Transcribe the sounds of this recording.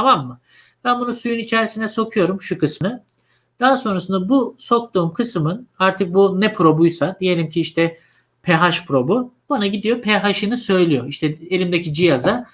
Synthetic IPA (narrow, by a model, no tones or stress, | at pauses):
t̪ʰamamːɯ | b̥ænbunusujunit͡ʃʰɛɾsinɛso̞kʰujo̞ɾumʃukɯsnɯ | d̪̥aɦaso̞nɾasɯnd̪abuso̞k̚t̪uːmkʰɯsɯmɯnaɾt̪ʰɯk̚bunɛpʰɾo̞bujsad̪ije̞lʲimcʰiiʃt̪ʰɛ | pʰɛɦaʃpʰɾo̞bubanaɟid̪ijo̞pʰɛɦaʃɯnɯsø̞jlʲijo̞iʃt̪ʰɛelʲimd̪ecid͡ʒijaza